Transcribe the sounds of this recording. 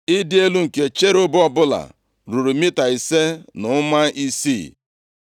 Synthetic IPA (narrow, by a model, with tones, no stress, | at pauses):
ɪ˦dɪ˦e˦lu˦ŋ̩˨ke˨t͡ʃe˦ɾʊ˦bɔ˦bʊ˦la̰˨ | ɾu˨ɾu˨mi˦ta˨i˨se˦nʊ˨˦ma˦i˦sḭ˦˨